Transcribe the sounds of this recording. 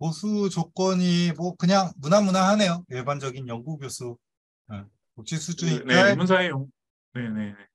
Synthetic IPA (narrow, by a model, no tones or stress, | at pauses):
mosʰut͡ɕok͈wʌɲimwʌkɯɲaŋmunamunaɦane̞jojeɭband͡ʑʌɡinjʌŋɡuɡjosʰu | ɯ | kok̚t͡ɕ͈ʰisʰud͡ʑuinemunsʰaejo | nene̞ne